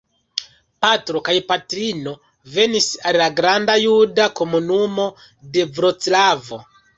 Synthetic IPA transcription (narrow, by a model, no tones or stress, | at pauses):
patɾo̞kajpatɾino̞ | ve̞nisallaɡɾandajudako̞munumo̞ | de̞vɾot͡slavo̞̰